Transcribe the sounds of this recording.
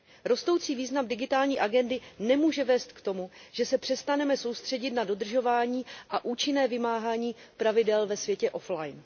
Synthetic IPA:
ɾo̞st̪o̞wt͡siːviːznamdɪɡɪt̪aːlɲiːʔaɡɛndɪnɛmuːʒɛvɛːst̪kt̪o̞muʒ̥ɛsɛpr̥ɛst̪anɛmɛso̞wst̪r̝̥ɛɟɪt̪nado̞dr̩ʒo̞vaːɲiːʔaʔuːt͡ʃɪnɛːvɪmaːɦaːɲiːpɾavɪdɛlvɛsvjɛcɛʔo̞flajn

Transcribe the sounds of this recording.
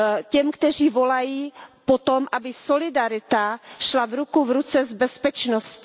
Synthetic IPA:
cɛmkt̪ɛr̝iːvo̞lajiːpot̪o̞mʔabɪsolɪdaɾɪt̪aʃlavɾukuvɾut͡sɛzbɛspɛt͡ʃnoscɪ

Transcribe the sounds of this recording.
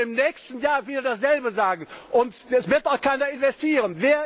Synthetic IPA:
ɪmnɛːçstn̩jaːɐfiːldasz̥ɛlbəzaːɡŋ̩ʔʊntɛsv̥ɪɐtaʊxkaɪnɐɪnvɛstiːʁənveːɐ

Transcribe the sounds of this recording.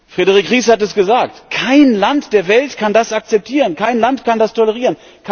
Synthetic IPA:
fʁ̥edəʁ̞ikʁiːshatɛsɡ̥əzaːk̚tkʰaɪnlantd̥eːɐvɛltkʰandasak̚t͡sɛp̚tʰiːʁənkʰaɪnlantkʰandastʰɔləʁ̞iːʁən | kʰ

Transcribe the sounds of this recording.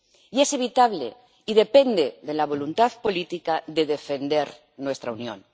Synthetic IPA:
ie̞se̞β̞it̪aβle̞̰ | iðe̞pe̞nd̪eðe̞laβ̞o̞lunt̪aðpo̞lit̪ikaðe̞ðe̞fe̞nd̪e̞ɾ | nwe̞st̪ɾaunjõ̰n

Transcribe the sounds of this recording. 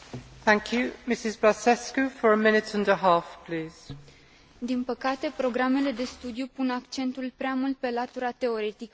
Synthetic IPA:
θæ̃ŋkʰjʉmɪsɪzbasɛskəfəɹəmɪnɪtʰʌ̃ndəɦɑˑfpʰl̥iːz̥ | d̪inpəkat̪e̞pɾo̞ɡɾame̞le̞d̪e̞st̪ud̪jupunakt͡ʃe̞nt̪ulpɾeamult̪̚pe̞lat̪uɾat̪e̞o̞ɾe̞t̪ikə

